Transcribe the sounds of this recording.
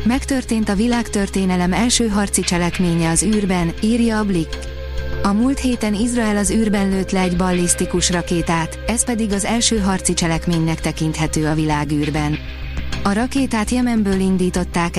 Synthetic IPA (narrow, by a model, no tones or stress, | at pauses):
mɛkt̪ø̞rt̪eːnt̪ɒvilaːkt̪ørt̪eːnɛlɛmɛlʃøːɦɒrt̪sit͡ʃɛlɛkmeːɲɛɒzyːrbɛniːrjɒːblikː | ɒmuːlt̪heːt̪ɛnizrɒɛlɒzyːrbɛnløːt̪lɛːɟbɒlːist̪ikuʃrɒkeːt̪aːt̪ɛspɛd̪iɡɒzɛlʃøːɦɒrt̪sit͡ʃɛlɛkmeːɲnɛkt̪ɛkint̪hɛt̪øːɒvilaːɡyːrbɛn | ɒɾɒkeːt̪aːt̪jɛmɛmbøːlind̪iːt̪o̞t̪ːaːk